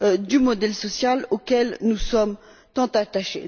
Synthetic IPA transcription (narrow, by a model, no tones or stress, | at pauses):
d̪ymɔd̪ɛlsɔsjalokʲɛlnusɔm | t̪ɑ̃t̪at̪aʃḛ